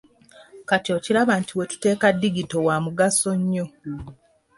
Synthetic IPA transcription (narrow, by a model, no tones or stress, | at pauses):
katjocilaβaːntiwetu̥te̞ːkadːiɡito̞waːmuɡaso̞ɲːo